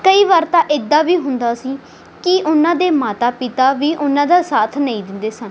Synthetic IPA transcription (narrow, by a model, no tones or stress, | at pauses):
kəiːʋaːɾt̪ãːʔɪd̪aːʋiːɦʊnd̪aːsiː | kɪʔʊnãːd̪eːmaːt̪aːpɪt̪aːʋiːʔʊnãːd̪aːsaːt̪ʰnəĩːd̪ɪnd̪eːsən